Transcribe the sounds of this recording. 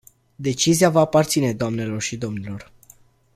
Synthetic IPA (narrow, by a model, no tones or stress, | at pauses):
d̪e̞t͡ʃiziavaːpart̪sine̞d̪oamne̞lo̞rʃid̪o̞mnilo̞r